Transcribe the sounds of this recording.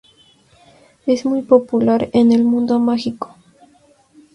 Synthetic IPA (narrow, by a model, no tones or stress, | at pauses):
ezmujpo̞pulaɾene̞lmũnd̪o̞maxiko̥